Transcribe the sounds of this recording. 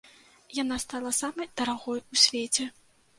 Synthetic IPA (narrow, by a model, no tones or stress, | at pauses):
janast̪alˠɐsamɐjd̪̥ɐɾaɣɔjusʲvʲet͡sʲɛ